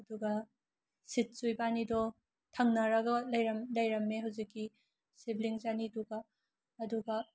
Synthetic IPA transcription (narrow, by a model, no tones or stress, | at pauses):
ɐduɡɐ | sit̚sujbanidɔ | tʰɐŋnɐɾɐɡɐlɐjɾɐmlɐjɾɐmːeɦawzikːi | sibliŋzaniduɡaː | duɡɐ